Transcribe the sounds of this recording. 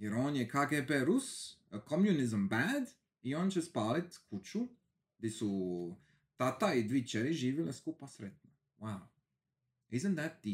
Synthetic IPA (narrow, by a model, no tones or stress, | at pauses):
jɛɾoːnjɛkʰaɡepeɾusəkʰomjunɪzəmbæd̪ | ioːnt͡ʃɛspaːlit̪kʰut͡ʃu | ɡd̪isu | t̪at̪aid̪ʋit͡ʃɛɾiʒiːʋilɛskupasɾɛt̪̚no | waw | ɪzənt̪ðæt̪̚d̪i